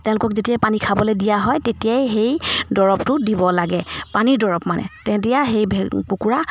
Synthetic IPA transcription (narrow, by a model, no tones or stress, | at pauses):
tɛ̃ʊ̃lʊkɔkzetijapanikʰabɔledijaɦɔjtetijajɦejdɔɹɔptʊdibɔlaɡɛpaniɹdɔɹɔpmanɛ̰tɛ̃tijaɦejbʱkukuɹa